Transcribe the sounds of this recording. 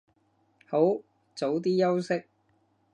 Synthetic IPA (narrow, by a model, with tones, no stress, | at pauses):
ho˨˥w | t͡so˨˥wt̪̬iː˥jɐ˥wsɪ˥k̚